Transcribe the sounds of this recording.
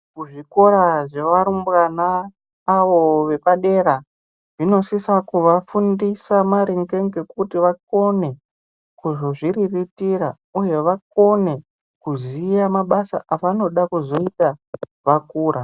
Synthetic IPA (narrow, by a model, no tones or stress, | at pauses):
kuʐiko̞ɾaʐe̞ʋaɾumburanaː | ʋo̞ʋe̞paɗe̞ɾa | ʐino̞sisakuʋafundisamaɾiŋɡeŋɡekutiʋak̚o̞ne̞ | kuʐo̞ʐiriritira | uje̞ʋak̚o̞ne̞ | kuzijamaɓasa̰ʔaʋano̞ɗakuzo̞itaʋakuːɾʔa